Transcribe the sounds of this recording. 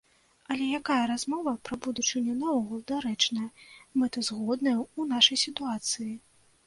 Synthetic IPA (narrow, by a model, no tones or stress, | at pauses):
ɐlʲɛjakajɐɾazmɔvɐpɾɐbud̪ut͡ʂɨnʲɛnavɔɣulˠd̪aɾɛt͡ʂnɐjɐmɨt̪ɐzɣɔd̪nɐjɛunaʂɐjsʲit̪uat̪sɨji